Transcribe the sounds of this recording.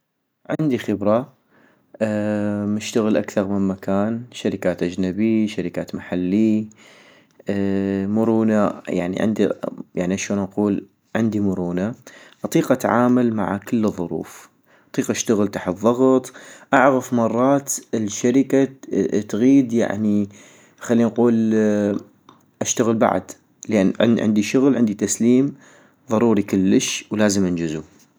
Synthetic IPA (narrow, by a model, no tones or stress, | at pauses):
ʕɪ̰nd̪ixɪbɾa | mɪʃt̪aɣɪlʔakθɑɾˤmɪnmakaːnʃaɾɪkaːt̪ʔad͡ʒnabiʃaɾɪkaːt̪maħalːi | mʊɾuːnaja̰ʕnḭʕɪ̰nd̪ija̰ʕniʔaʃoːnʔɑquːl | ʕɪnd̪imʊɾuːnaʔɑt̪ˤiːqʔat̪ʕaːmalma̰ʕakɪlːɨðˤːʊɾṵːf | ʔɑt̪ˤiːqʔaʃt̪aɣəlt̪aːħt̪ðˤːɑɣt̪ˤʔaʕɣafmɑrˤːɑːt̪ɪlʃaɾɪkat̪ɣiːd̪ja̰ʕni | xalːiːnquːl | ʔaʃt̪aɣəlba̰ʕ̰d̪ | lʔanːʕ̰nʕɪ̰nd̪iʃʊɣlʕɪnd̪it̪asliːm | ðˤɑɾˤuːɾikɪlːəʃwlaːzəmʔɪnd͡ʒɪzu